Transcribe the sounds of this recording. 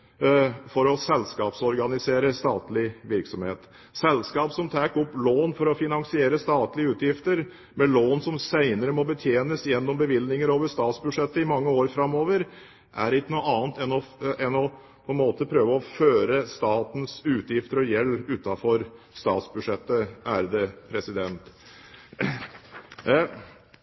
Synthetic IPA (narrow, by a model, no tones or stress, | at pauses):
fɔɾɔsɛlskɑːpsɔɾɡɑnɪseːɾəst̪ɑːt̪lɪʋɪɾksɔmhḛːt̪ | sɛlskɑːpsɔmt̪ʰæːkɔpːloːnfɔɾɔfɪnɑŋsɪeːɾəst̪ɑːt̪lɪəʉːt̪jɪft̪əɾ | mɛloːnsɔmsæɪnəɾəmɔbət̪ʰjeːnəsjɛnːɔmbəʋɪlnɪŋəɾoːʋəʂt̪ɑːt̪sbʉd̪ʂɛt̪ːəɪmɑŋːəoːɾfɾɑmːoːʋəɾ | ʔæ̰ɾɪkːnuɑːnt̪ɛnɔɛnɔ | pʰɔɛnmoːt̪əpʰɾøːʋəɔføːɾəst̪ɑːt̪n̩sʉːt̪ʰjɪft̪əɾɔjɛlːʉːt̪ɑfɔɾ | st̪ɑːt̪sbʉdʂɛt̪ːəʔæ̰ɾd̪ɛpʰɾɛsɪd̪ɛnt̪